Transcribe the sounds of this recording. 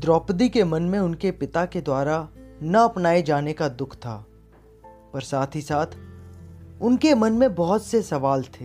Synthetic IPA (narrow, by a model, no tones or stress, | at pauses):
d̪ɾɔːpd̪ikemɐnmẽʊnkepɪt̪aked̪waːɾanɐɐpnaːed͡ʒaːnekad̪ʊkʰt̪ʰa̰ː | pɐɾsaːt̪ʰisaːt̪ʰ | ʊnkemɐnmẽbɔɦʊt̪sesɐʋaːlt̪ʰeː